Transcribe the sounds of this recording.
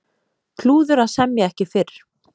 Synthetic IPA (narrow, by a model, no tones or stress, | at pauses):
kʰluːðʏɾaðsɛmjaɛhcɪfɪɾ̥